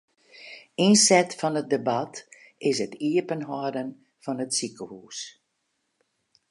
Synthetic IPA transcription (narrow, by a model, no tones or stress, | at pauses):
insɛtfɔnət̚debat | ɪsətiəpənɦɔdən | fɔnətsikəhuːs